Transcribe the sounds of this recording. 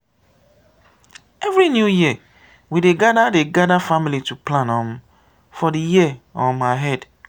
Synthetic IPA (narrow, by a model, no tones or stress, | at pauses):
ɛvɹinjujiə | wideɡadadeɡadafamilituplãnɔ̃m | fɔdijiɔ̃maɦɛd